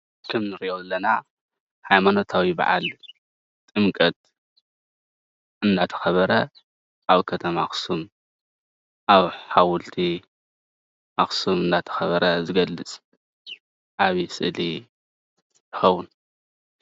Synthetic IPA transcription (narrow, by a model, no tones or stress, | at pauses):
kʰɨmnɨɾiʔoɐlːɐna | hajmano̞t̪ʰawiba̰ʕa̰l | t̪ʼɨmkʼɐt̪̚ | ɨnd̪at̪ʰɐ̥xɐβɐɾɐ | ʔaβkʰɐt̪ʰɐmaxsum | ʔaβħawʊlt̪ʰi | ʔaxsumɨnd̪at̪ʰɐ̥xɐβɐɾɐzɨɡɐlːɨt͡sʼ | ʔaβisɨ̰ʔli | t̪ʰɨ̥xɐwʊn